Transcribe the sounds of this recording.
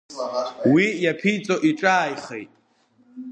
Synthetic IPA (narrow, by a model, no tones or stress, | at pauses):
wijapʰijt͡sʼoʔiʈ͡ʂʼaːjχḛjtʼ